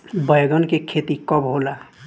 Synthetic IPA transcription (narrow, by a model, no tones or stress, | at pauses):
bəjɡənkekʰet̪ikɔbɦola